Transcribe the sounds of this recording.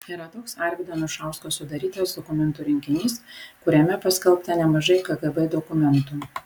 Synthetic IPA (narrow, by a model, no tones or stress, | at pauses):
iːɾɐt̪oːksɐɾʲɡʲd̪ɐnʊʃɐˑʊskoːsʊd̪ɐɾʲiːt̪oːsd̪ɔkʊmʲɛnt̪ʊɾʲɪŋʲkʲɪnʲiːskʊɾʲɛmʲɛpɐsʲkʲɛlˠpt̪ɐnʲɛmɐʒɐɪkɐɡɛbɛd̪ɔkʊmʲɛnt̪uː